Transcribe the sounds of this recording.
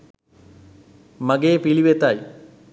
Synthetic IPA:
maɡeːpiliʋet̪aj

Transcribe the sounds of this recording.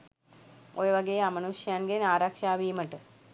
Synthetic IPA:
ojʋɐɡeːamɐnuʂjaːnɡenaːɾakʂaːʋiːmɐʈːɨ

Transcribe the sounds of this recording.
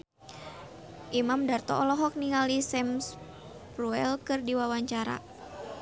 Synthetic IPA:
ʔimamdart̪ɔ̰ɔlɔɦɔk̚niŋalisɛms | pruɛlkɨrdiwawaɲt͡ʃaɾa̰

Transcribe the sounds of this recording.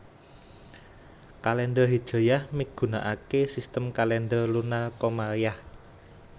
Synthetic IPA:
kalɛnɖərɦid̥ʒ̥o̤jahmiɡ̥ṳnaʔakesist̪əmkalɛnɖərlunalkomaljah

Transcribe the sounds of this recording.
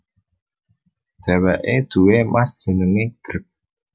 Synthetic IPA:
d̥ɛwɛʔed̪̥ṳwemasd̥ʒ̥ə̤nəŋeɡ̥əɾk̚

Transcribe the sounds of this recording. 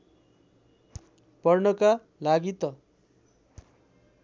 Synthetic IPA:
pʌrnʌka | laɡit̪ʌ

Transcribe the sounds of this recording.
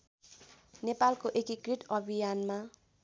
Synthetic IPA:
nepalkoʔekikriʈʌbʱijanma

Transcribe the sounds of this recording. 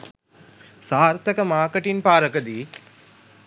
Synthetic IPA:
saːɾt̪ɐkɐmaːkɐʈinpaːɾɐkɐd̪i

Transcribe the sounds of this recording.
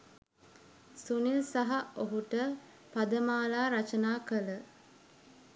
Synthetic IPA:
sunilsaɦaoɦuʈə | pad̪əmaːlaːɾat͡ʃənaːkələ

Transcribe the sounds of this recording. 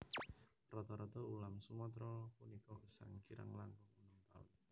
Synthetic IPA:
rɔt̪ɔɾɔt̪ɔulamsumɔt̪ɾɔpunikɔɡ̥əsa̰ŋkiɾʔə̰ŋlanpɔŋunɔmt̪aʊ̰n

